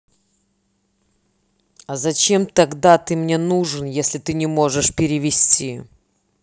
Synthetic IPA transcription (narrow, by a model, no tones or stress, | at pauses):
ɐzɐt͡ɕemt̪ɐɡd̪at̪ɨmnʲe̞nuʐɨnjesʲlʲɪt̪ɨnʲɪmo̞ʐɨʂpʲɪɾʲɪvʲɪsʲtʲi